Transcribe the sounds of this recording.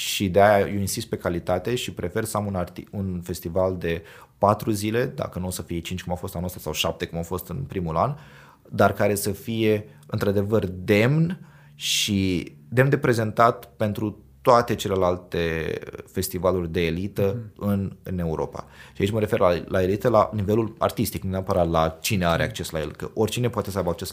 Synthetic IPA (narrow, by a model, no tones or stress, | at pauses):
ʃid̪eajajeinsist̪̚pe̞kalit̪at̪e̞ʃipɾe̞fe̞rsəamunart̪iunfe̞st̪ivald̪e̞ | pat̪ɾuzile̞d̪a̰kənuosəfiet͡ʃint͡ʃkumawfo̞st̪anuost̪ḁsawʃap̚t̪e̞kumawfo̞st̪ɨnpɾimulan | d̪arkaɾe̞səfije̞ | ɨnt̪ɾad̪e̞vərd̪e̞mn | ʃi | d̪e̞mnd̪e̞pɾe̞ze̞nt̪at̪pe̞nt̪ɾu | t̪oat̪e̞t͡ʃe̞le̞lalt̪efe̞st̪ivalurʲd̪e̞ːlit̪əɨnne̞uɾʔo̞̰pa̰ʃiait͡ʃʲməɾe̞fe̞rlalae̞lit̪əla̰nive̞lula̰rt̪ist̪iknuneapəɾat̪lat͡ʃine̞aɾe̞ak̚t͡ʃe̞slaelkəʔo̞rʲt͡ʃine̞poat̪e̞səajbəak̚t͡ʃes